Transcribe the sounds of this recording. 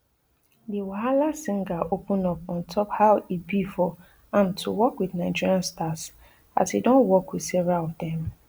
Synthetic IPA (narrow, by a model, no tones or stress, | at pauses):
diwaɦalasĩŋɡaʔopũnɔpɔ̃ntʰɔphawibifɔ | ãntʰuwɔkwiθnaɪd͡ʒiɹiãnstas | a̰tidɔ̃nwɔkwiθsɛvɹalɔfdɛ̃m